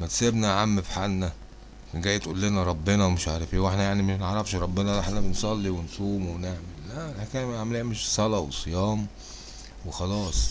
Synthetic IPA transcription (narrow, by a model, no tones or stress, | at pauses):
mæt̪sebnæʕamːefħanːæ | kænɡæjːet̪ʔulːenæɾˤɑbːenɑwemeʃʕaɾˤɑfiːweħnæjaʕnimæneʕɾˤɑfʃɾˤɑbːenɑlʔeħnæbensˤɑlːiwensˤuːmwebneʕmelːælħækænmæʕmeliːmeʃsˤɑlɑwesˤejɑːm | wexɑlɑːsˤ